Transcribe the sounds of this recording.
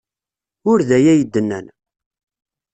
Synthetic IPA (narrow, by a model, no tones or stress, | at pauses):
ʊɾðæjæjəd̪ːənːæn